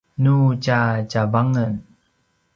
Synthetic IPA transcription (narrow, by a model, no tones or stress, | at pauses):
nut͡ʃat͡ɕavaŋən